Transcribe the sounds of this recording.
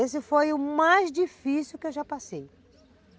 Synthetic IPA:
esɪfojʊmajzd͡ʒifisiwkɪewʒapasej

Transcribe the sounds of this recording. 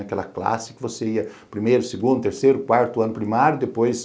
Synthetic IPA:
ɐkɛlɐ̰kla̰sɪ̥kɪvoseiɐpɾimejɾʊseɡũnd̪ʊt̪eɾsejɾʊkwaɾt̪ʊɐ̃nʊpɾimaɾjʊd̪epojs

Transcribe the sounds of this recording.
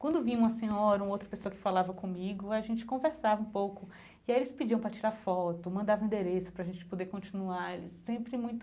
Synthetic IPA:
kwɐ̃nd̪ʊvĩũmɐsẽɲɔɾɐũowt̪ɾɐpesoɐkɪ̥falavɐkõmiɡʊaʒẽnt͡ʃɪ̥kõveɾsavɐũpowkʊ | iaelɪspid͡ʒiɐ̃w̃pɾɐt͡ʃiɾafɔt̪ʊmɐ̃nd̪avɐ̃ĩd̪eɾesʊ̥pɾɐʒẽnt͡ʃɪ̥pod̪ekõt͡ʃĩnuaɾelɪ̰sːẽmpɾɪmũj̃t̪ʊ

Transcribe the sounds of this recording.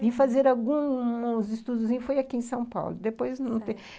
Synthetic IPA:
vĩfazeɾawɡũzɪst̪ud̪ʊzĩɲʊfojakiẽj̃sɐ̃w̃pa̰wlʊd̪epojznɐ̃w̃t̪ẽ

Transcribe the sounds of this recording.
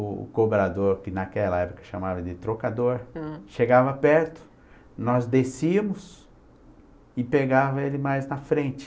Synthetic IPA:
ʊ̰kobɾad̪oɾkɪnakɛlɐɛpʊ̥kɐʃamavɐd͡ʒɪt̪ɾokad̪oɾʃeɡavɐpɛɾt̪ʊ̥ | nɔzd̪esiɐmʊs | ɪpeɡavɐelɪmajznɐfɾẽt͡ʃɪ̥

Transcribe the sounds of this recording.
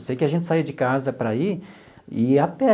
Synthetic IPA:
sejkɪaʒẽnt͡ʃ̪ɪ̥said͡ʒɪkazɐpɾai | ɪapɛ

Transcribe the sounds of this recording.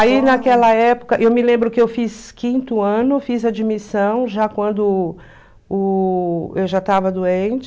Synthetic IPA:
ainakɛlɐɛpʊ̥kɐʔewmɪlẽmbɾʊkɪewfiskĩnt̪ʊɐ̃nʊfizɐd͡ʒimisɐ̃w̃ʒakwɐ̃nd̪ʊ | ʊ | ewʒat̪avɐd̪uẽnt͡ʃɪ

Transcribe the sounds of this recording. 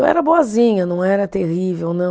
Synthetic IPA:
ɛ̰ɾɐboɐzĩɲɐnɐ̃w̃ɛɾɐt̪ehivewnɐ̃w

